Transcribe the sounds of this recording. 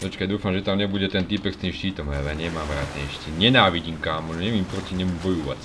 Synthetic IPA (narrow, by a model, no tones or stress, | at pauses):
d̪ɔt͡ʃkajd̪uːfamʒɛt̪amɲɛbuɟɛt̪ɛnt̪ipɛkst̪iːmʃciːt̪ɔmɦɛlɛɲɛmaːmɾa̰ːd̪nɛ̰ːʃciːɲɛnaːʋiɟiːmkaːmɔnɲɛʋiːmpɾɔciɲɛmubɔjuʋa̰t͡s